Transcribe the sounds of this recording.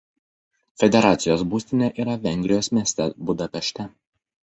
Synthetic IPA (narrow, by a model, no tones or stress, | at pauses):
fʲɛd̪ʲɛɾɑːt̪sʲɪjoːsbuːsʲt̪ʲɪnʲeʔiːɾɐʋʲɛŋʲɡʲɾʲɪjoːsmʲiɛsʲt̪ʲɛbʊd̪ɐpʲɛʃʲt̪ʲɛ